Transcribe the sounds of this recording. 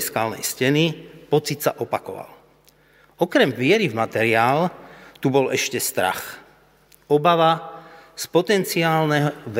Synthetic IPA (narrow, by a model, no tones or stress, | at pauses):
skaːlnɛ̰jscɛnipɔt͡sit̪saʔɔpakɔ̰ʋa̰l | ɔkɾɛmʋɪɛɾivmat̪ɛɾiaːlt̪ubɔlɛʃcɛst̪ɾa̰x | ɔbaʋaspɔt̪ɛnt͡siaːlnɛɦɔʋ